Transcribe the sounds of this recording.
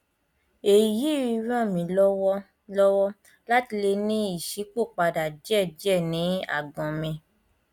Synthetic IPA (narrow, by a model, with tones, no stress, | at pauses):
e˨ji˨ji˦i˧ɾã˦˨mĩ˨˦lɔ˦wɔ˦ | lɔ˦wɔ˦ | la˦ti˧le˧nĩ˦i˦˨ʃi˨˦ko˦˨k͡pa˧da˨d͡ʒɛ˦˨d͡ʒɛ˦˨nĩ˨˦a̰˦˨ɡɔ̃˨mĩ˧